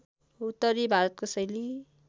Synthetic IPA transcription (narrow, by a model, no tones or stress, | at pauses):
ut̪ːʌɾibʱaɾʌt̪̚kosʌjli